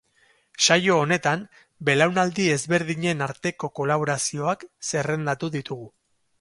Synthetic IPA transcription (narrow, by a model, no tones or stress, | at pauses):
ʃajo̞ːne̞t̪am | be̞lawnald̪ie̞zβe̞ɾðiɲe̞naɾt̪e̞ko̞ko̞laβ̞o̞ɾasio̞akse̞re̞nd̪at̪uðit̪uɣu